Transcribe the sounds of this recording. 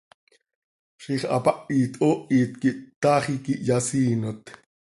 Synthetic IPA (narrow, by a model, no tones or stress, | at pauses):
ʃiχɑ̰pɑʔiːt̪ʼʔoːʔiːt̪kiʔt̪ɑːχikiʔjɑsiːnot̪